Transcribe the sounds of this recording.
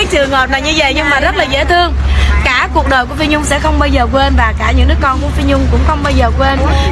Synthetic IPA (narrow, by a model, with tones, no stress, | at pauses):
aː˨˦jt͡ɕɨ˨˩əŋhəː˨˩p̚na˨˩jɲɨ˧və̰˧˨jɲɨ˧ŋmaː˨˩zə˦˥t̚laː˨˩zḛ˧˥˦t̪ʰɨ˧əŋkaː˧˩ku˨˩ək̚ɗəː˨˩ku˧˩əfi˧ɲʊ˧ŋ͡msɛ̰˧˥xə˧wŋ͡mɓaː˧wzəː˨˩kwe˧nvaː˨˩kaː˧˩ɲɨ̰˧˥ŋnɨ˦˥kɔ˧nku˧˩əfi˧ɲʊ˧ŋ͡mkʊ̰˧˥ŋ͡mxə˧wŋ͡mɓaː˧wzəː˨˩kwe˧n